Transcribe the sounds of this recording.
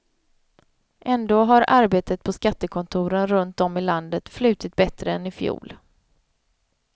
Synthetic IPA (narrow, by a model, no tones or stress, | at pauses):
ʔɛnd̪oːɦaɾʔaɾbeːt̪ət̪̚pʰɔskat̪ːəkʰɔnt̪ʰuːɾənɾɵnt̪ɔmɪland̪ət̪flʉ̟ːt̪ɪt̪̚bɛt̪ɾəɛnɪfjṵːl